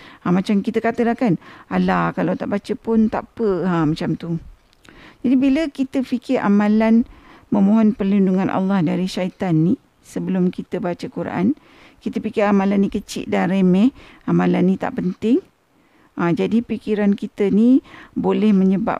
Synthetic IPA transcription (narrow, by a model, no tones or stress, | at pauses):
amat͡ʃamkit̪əkat̪əlahkanalahkalawt̪a̰ʔbat͡ʃəpʊnt̪apəamat͡ʃamt̪u | d͡ʒadibiləkit̪əfikɪɾʔa̰mãlanməmoɦɔnpərlinduŋanʔa̰lːɑhdaɾiʃait̪anːi | səbəlʊmkit̪əbat͡ʃəkuɾʔa̰n | kit̪əpikɪɾamalanːikət͡ʃɪ̰ʔ̚danɾemɛhamalanːĩt̪a̰ʔpənt̪ɪŋ | ʔad͡ʒadipikiɾankit̪ənibolɛhməɲəba̰p̚